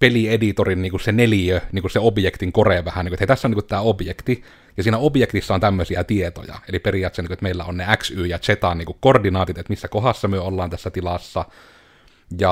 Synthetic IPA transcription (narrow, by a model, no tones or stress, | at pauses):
peliedit̪orinniːŋkussenelijøniːŋkusseobjekt̪iŋkoreʋæhæniːkuet̪heit̪æsːæoniŋkut̪t̪æːobjekt̪i | jɑsiːnæobjekt̪isːæont̪æmːøsiæt̪iet̪o̰jɑ̰eliperijˑɑːˑt̪seniket̪meˑilːæ̰onneæksyːjɑt͡ʃet̪ɑniːŋkukkordinɑːt̪iot̪et̪misːækohɑsːɑmyøolːɑːnt̪æsːæt̪ilɑsːɑ | jɑ